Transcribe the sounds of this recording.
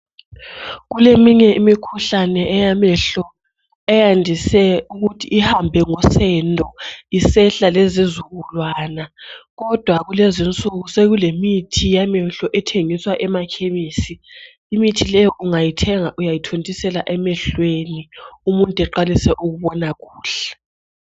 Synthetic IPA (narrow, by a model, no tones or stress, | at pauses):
ɣulemiɲɛimikʰuɬanɛɛjamɛɬɔ | ɛjandʱisɛuɣutʰiʔːhambʱɛŋɔsɛndʱʼɔisɛɬalezizuɣulwaːnaɣɔd̥ʱwaɣulezint͡sʼuɣuseɣulemitʰijamɛɬɔʔɛtʰeŋiswaʔɛmakʰeβiːsiː | mitʰilɛjɔʔuŋajitʰɛŋaʔujajitʰontʼisɛlaʔɛmɛɬweniumuntʼɛǃalisɛʔuɣuβɔnaɣuːɬɛ̥